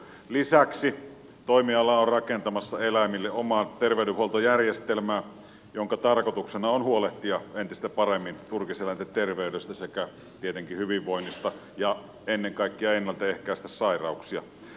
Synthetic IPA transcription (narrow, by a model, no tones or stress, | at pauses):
lisæksi | t̪oˑimiɑlɑorrɑkent̪ɑmɑsːɑelæˑimilːeʔʔomɑt̪erʋeydyhuolt̪ojærjest̪elmæː | joŋkɑt̪ɑrkot̪uksenɑonhuoleht̪iɑent̪ist̪æpɑremːint̪urkiselæˑnt̪et̪t̪erʋeydøst̪æsekæ | t̪iet̪eŋkihyʋiʋʋoinːist̪ɑ | jɑ | enːeŋkɑikːiɑenːælt̪æehkæˑist̪æsɑirɑuksiɑ̰